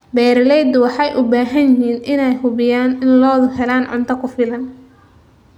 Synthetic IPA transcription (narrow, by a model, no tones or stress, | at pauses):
bɛːɾlɛjd̪wɑħɑjʔʊbaːɦɐnjɪɦiːnɪnɛjhʊβɪjaːnɪnlɔːðʊhɛlaːnʕʊ̰nt̪ʰɐkʰʊfɪlɐn